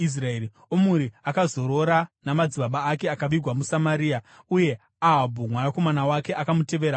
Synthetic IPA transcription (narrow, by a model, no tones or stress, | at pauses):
is̬raeɾi | omuɾiakazo̞ɾo̞ɾanamad͡ziɓaɓaːke̞akaʋiɡʱwamusamaɾiːa | uje̞ | aɦabʱumwanako̞manawake̞ʔakamute̞ʋe̞ːɾa